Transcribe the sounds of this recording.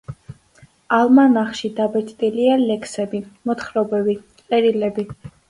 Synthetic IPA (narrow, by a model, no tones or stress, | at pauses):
alˠmanaχʃid̪abɛɾt̪ʼt̪ʼilialɛksɛbimɔt̪χɾɔbɛbiqʼɛɾilɛbi